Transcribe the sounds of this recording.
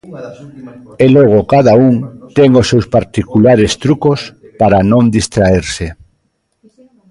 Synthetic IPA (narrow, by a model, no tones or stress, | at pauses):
eloɣ̞okaðauŋt̪ɛŋosːewspaɾt̪ikulaɾest̪ɾukospaɾanõnd̪ist̪ɾaeɾse